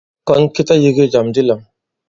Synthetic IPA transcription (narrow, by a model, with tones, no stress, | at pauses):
kɔ˦nki˦ta˦ji˧ɡi˦d͡ʒa˨mdi˦la˨ŋ